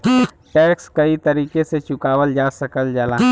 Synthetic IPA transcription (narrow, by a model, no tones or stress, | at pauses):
ʈɛːkskɐit̪ɐɾiːkeset͡ʃʊkaːʋəld͡ʒaːsɐkəld͡ʒɐla